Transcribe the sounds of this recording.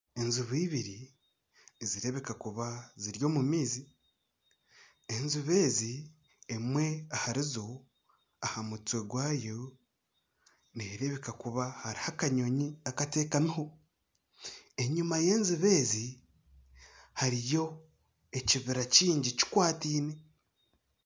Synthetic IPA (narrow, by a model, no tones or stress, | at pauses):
e̞nzuβiːβiɾi | ziɾe̞βe̞kakuβaziɾjo̞ːmumiːzi | enziβe̞ːzi | emwe̞ahaɾizo̞ | ahamut͡swe̞ɡwaːjo | neɾe̞βe̞kakuβahaɾihakaɲo̞ɲiakate̞ːkamiho | e̞ɲumaje̞ːnziβe̞ːzi | haɾijo̞ | eciβiɾaciːɲɟici̥kwaːtiːne̞